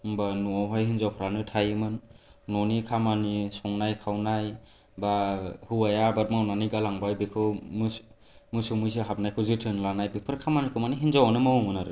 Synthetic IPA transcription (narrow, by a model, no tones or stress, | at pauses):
banuawɦajɦinzawpʰɔɾanɯtʰajmɯnːɔnikʰamanisɔŋnajkʰawnaj | bahɯwajabat̚mawnanijɡalaŋbajbekʰɯwmɯ | mɯsɯmɯjs̬ɯɦap̚najkʰɯzɯtʰɯnlanajbipʰɯɾkʰamanikʰɯmaniɦinzawanɯmawmɯnaɾɯ